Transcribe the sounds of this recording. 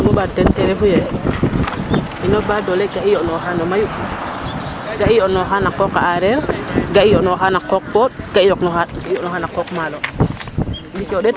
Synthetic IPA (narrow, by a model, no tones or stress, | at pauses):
mɔɓatɛɾtɛɾɛfujɛ | inobadolɛɡaijɔnɔɦanɔmaju | ɡaijɔnɔxanakɔkaaɾɛɾɡaijɔnɔɦanakok̚pɔd̚ɡ̥aijoknɔhaɡaiɔnɔhanakokmalɔ | dikoɗɛt